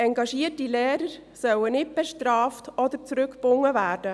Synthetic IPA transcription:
ɛŋɡɑʃiətilɛːɾəɾsœwənɪt̚b̥ɛʃtɾɑːftɔd̪əɾt͡sɾɵkb̥ʊŋːəvæːɾd̥ə

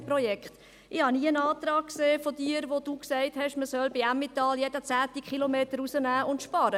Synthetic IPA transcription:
pɾɔjɛkχt | ʔɪhɑniːənɑːt̪ɾɑːkkseːfodiːəɾʋod̥uːksæɪthɛʃməsœlbeæmːɪtɑːljɛdət͡sæːt̪ikχilomeːtəɾusənæːʊntʃpɑɾə

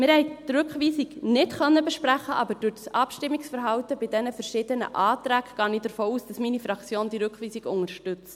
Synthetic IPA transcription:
mɪɾhɛɪtɾʏkχʋiːsiknɪtχœnːəbɛʃpræχəʔɑbəɾd̥ʊɾtsɑpʃtɪmːɪksfəɾɦɑwtəbɪdɛnəfəɾʃɪdənə̰ʔɑːt̪ɾæːkɡ̥ɑːniːdəɾfoːuːsd̥ɑsminifɾɑkt͡sjoːndiɾʉkχʋiːsiɡʊŋəɾʃtʏt͡st

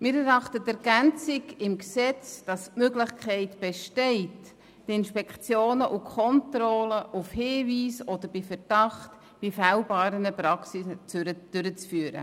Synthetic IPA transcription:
mɪːɾɛɾɑχtətɛɾɡ̥ænt͡sɪɡɪmksɛt͡sd̥ɑstmøɡlɪχkʰɛɪtb̥ɛʃtɛɪtː | ɪnʃpɛkχt͡sjoːnəʔukʰɔntɾɔləʔufhiːviːsɔd̪əɾb̥ɪfɛɾd̥ɑχt | b̥ɪfælbɑːɾənəpɾɑksit͡sɾəd̥ʏɾət͡sfyːɾə̰

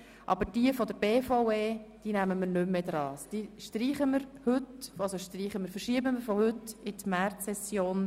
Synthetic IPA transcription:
ʔɑ̰bəɾd̥iəfɔd̪əɾbeːfɔweːd̥iːnæməməɾnʏmːed̥̪ɾɑːsd̥iːʃtriːχəməɾhɵtɑsoʃtriːχəməɾfəʃiəbəməɾfɔhʏtːɪtmæɾtsɛsjoːn

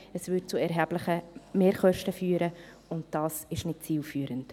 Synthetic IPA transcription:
əsvʏt͡suɛɾɦæblɪχəmeːɾχœʃtəfyːɾə | ʊnt̚d̥ɑːsɪʃnɪt̚t͡siːlfyːəɾənt

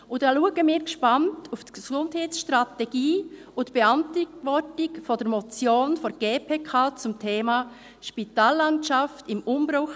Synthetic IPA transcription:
ʊdɑːluəɡəmiːɾkʃpɑntʰuftksʊndhɛɪtsʃtɾatɛɡiː | ʊntb̥eɑntʋɔtɪkfɔdəɾmɔt͡sjoːnfɔɾɡ̥eːpʰeːkʰaːt͡sʊmtʰeːmɑː | ʃpitaːlːɑntʃɑftɪmʊmbɾʊx

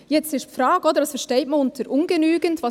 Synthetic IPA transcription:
jɛt͡stɪʃtfɾɑːɡ̥ɔd̪əɾdɑsfɛɾʃtɛɪtməʊntʰəɾʔʊnɡənyːɡəntʋɑ

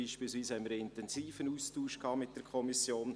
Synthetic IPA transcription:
iːʃpiːlsʋiːshɛnməɾɪntɛnziːfənuːstuːʃkhɑːmɪt̚d̥əɾkʰɔmisjoːn

